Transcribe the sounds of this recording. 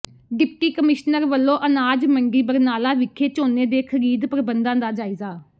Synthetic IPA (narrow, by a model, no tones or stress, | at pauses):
ɖɪp̚ʈiːkəmɪʃnəɾʋəlːõːʔənaːd͡ʒməɳɖiːbəɾnaːlaːʋɪkʰːeːt͡ʃoːneːd̪eːkʰəɾiːd̪pəɾəbənd̪ãːd̪aːd͡ʒaːɪzaː